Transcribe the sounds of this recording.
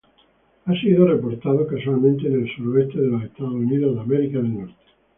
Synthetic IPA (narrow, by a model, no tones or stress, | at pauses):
asiðorepoɾt̪aðokas̬walmẽnt̪enelsuɾoest̪eðelasest̪aðouniðoðameɾikaðelnɔɾt̪e̥